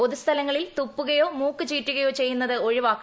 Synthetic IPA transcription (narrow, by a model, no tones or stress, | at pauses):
oðust̪ʰɐlɐŋːɐɭilt̪upːuɣɐjo̞ːmuːkːɨt͡ɕiːtːuɣɐjo̞ːt͡ɕe̞jːunːɐðɨo̞ɻiʋaːkː